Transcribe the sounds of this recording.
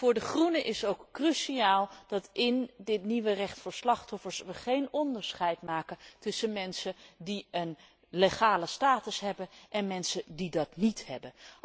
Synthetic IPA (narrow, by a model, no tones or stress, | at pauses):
fʊːɹdəχrunəʔɪsowkːryʃiaːlˠd̥ɑtɪndɪtniʋərɛχtfʊːɹslɑχtɔfəɹsʋəχejnɔndəɹsχɛjtmaːkəntɵsənmɛnsədiən | leχaːləstaːtəsɦɛbənʔɛnmɛnsədidɑtnithɛbən